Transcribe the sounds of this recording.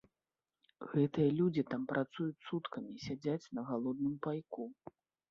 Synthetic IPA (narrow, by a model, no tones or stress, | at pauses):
ɣɛt̪ɨjɐlʲud͡zʲit̪ampɾʔat̪sujut͡sʲsut̪kɐmʲisʲad͡zʲat͡sʲnɐɣalˠɔd̪̚nɨmpajku